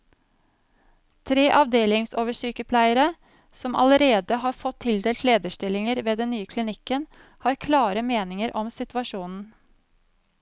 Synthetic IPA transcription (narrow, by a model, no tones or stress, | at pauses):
t̪ʰɾeːʔɑʋd̪eːlɪŋsoːʋəʂyːkəpʰlæɪəɾə | sɔmɑ̰ləɾeːd̪əɦɑːɾfɔt̪ʰːɪld̪eːlt̪leːd̪əʂʈɪlɪŋəɾʋeːd̪ɛnnyːəkʰlɪnɪkən | hɑːɾkʰlɑːɾəmeːnɪŋəɾʔɔmsɪt̪ʋɑʂuːnn̩